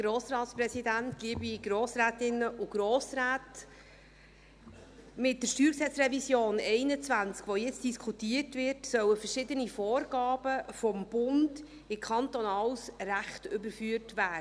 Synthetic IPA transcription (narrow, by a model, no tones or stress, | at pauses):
ɡ̥ɾoːsɾɑːtsprɛsidæntɡ̥iːbiɡ̥ɾoːsɾæːtɪnəʔʊɡ̥ɾoːsɾaːt | mɪt̚dəʃtyːɾksɛt͡sɾɛvisjoːnɛɪnət͡svænt͡skʋojɛt͡std̥iskʰutiːərtvɪrtsœwəfəʃɪdənifoːɾɡ̥ɑːb̥əfɔmb̥ʊnd | ɪkʰχɑntɔnɑwsræχtʏbəɾfyːətvæː